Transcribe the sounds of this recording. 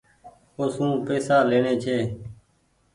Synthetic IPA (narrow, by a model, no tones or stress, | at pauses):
oːsũːpeːsaːleːɳeːt͡ʃʰeː